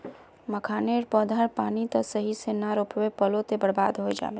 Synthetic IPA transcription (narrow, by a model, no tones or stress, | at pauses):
məkʰaːneɾpɔːd̪ʱaɾpaːnit̪əsəɦisenaɾopʋepəlot̪ebəɽba̰ːd̪ɦoed͡ʒa̰ːbe